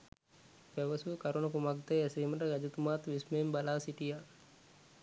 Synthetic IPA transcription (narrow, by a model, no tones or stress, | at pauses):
pɛʋɐsukɐɾunɐkumakt̪eɐsiːmɐʈəɡɐd͡ʒut̪umaːt̪ʋismeːmbɐlaːsiʈija